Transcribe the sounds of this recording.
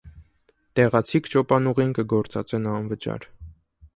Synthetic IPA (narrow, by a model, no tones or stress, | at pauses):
t̪ɛʁɑt͡sʰikt͡ʃɔpɑnuʁinkəɡɔɾt͡sɑt͡sɛnɑnvət͡ʃɑ̰ɾ